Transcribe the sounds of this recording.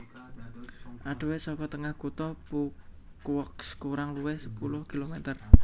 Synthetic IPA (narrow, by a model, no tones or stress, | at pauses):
ʔaɖ̥ə̤weʔsɔkɔt̪əŋahkut̪ɔpukwɔkskuɾaŋluwehsə̥pulʊhkilomet̪ər